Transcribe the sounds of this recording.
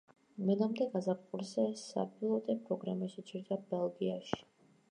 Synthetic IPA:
mɛd̪amd̪ɛɡazapqʼuɾzɛsa̰pʰilˠɔt̪ʼɛpʰɾɔɡɾamɛʃɛt͡ʃʼiɾd̪abɛlˠɡiaʃi̥

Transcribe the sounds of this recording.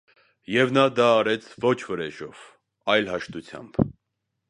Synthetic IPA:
jɛvnɑd̪ɑːɾɛt͡sʰvɔt͡ʃʰvəɾɛʒɔv̥ | ɑjlɦɑʃt̪ut͡sʰjɑ̰mb̥

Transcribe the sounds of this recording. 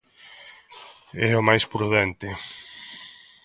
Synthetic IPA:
ɛʊmajspɾuðɛnt̪ɪ

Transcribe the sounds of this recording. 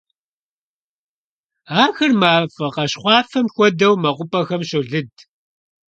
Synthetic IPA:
aːxɐrmaːfɐqɐɕχʷɑːfɐmxʷɔdɐwmɐqʷʊpʼɐxɐmɕɨɮɨd

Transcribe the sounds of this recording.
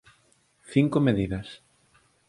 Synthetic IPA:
θiŋkomeðiðɐs

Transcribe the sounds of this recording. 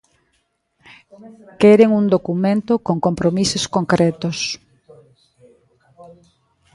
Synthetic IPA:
kɛɾeŋuŋd̪okumẽnt̪ʊkoŋkompɾomisoskoŋkɾɛt̪ʊs

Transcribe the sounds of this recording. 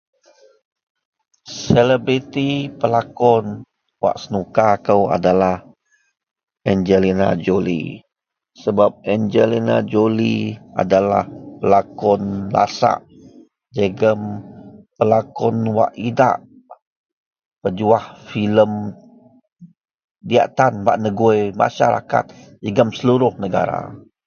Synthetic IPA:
sɛləbɾit̪ipəlakɔn | wa̰ʔsənukakəwa̰dalah | ɛnd͡ʒəlina̰d͡ʒolḭ | səbap̚ɛnd͡ʒəlina̰d͡ʒolia̰dala̰hpəlakɔnla̰sa̰ʔ | d͡ʒəɡəmpəlakɔnwa̰ʔida̰ʔ | pəd͡ʒuahfiləm | dia̰ʔt̪anbaʔnəɡuema̰ʃaɾa̰ka̰t̪̚d͡ʒəɡəmsəluɾʊhnəɡa̰ɾa̰

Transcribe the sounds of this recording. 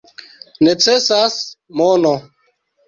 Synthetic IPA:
net͡sɛsasmɔnɔ

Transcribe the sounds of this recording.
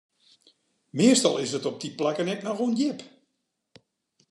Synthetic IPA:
mɪəstɔ̰lˠɪsətɔp̚diplakənɛt̚narondjɪp

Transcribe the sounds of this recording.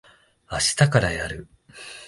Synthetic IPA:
aɕi̥t̪akaɾajaɾɯ̟

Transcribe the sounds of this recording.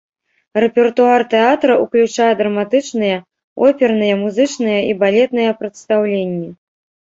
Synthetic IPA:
rɛpʲɛrt̪uart̪ɛat̪ɾɐʔuklʲut͡ʂajɛd̪ɾɐmat̪ɨt͡ʂnɨjɐ | ɔpʲɛrnɨjɐmuzɨt͡ʂnɨjɐibalʲɛt̪nɨjɐpɾɐt̪st̪awlʲenʲːɛ

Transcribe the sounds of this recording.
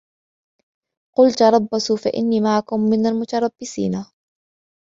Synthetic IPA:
qʊlt̪ɾˤɑbːasufa̰ʔɪ̰nːiːmaʕakʊmːɪnalmʊt̪ɑɾˤɑbːɪsḭːna

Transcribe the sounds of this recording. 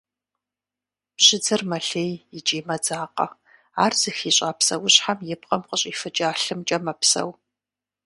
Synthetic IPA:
pɕɪd͡zɐrmɐɬeːjɪd͡ʒʼiːmɐd͡zaːqɐ̰ | aːrz̥ɨxiːɕʼaːpsɐwʊɕħamjɪp̚qʼɐmqəɕʼifɨt͡ʃʼaːɬɨmt͡ʃʼɐmɐpsɐ̰w

